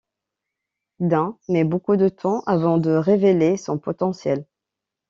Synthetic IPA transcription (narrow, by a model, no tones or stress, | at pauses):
d̪ɛ̃mɛbokud̪ət̪ʰɑ̃ʔavɑ̃d̪əʁevelesɔ̃pɔt̪ɑ̃sjɛl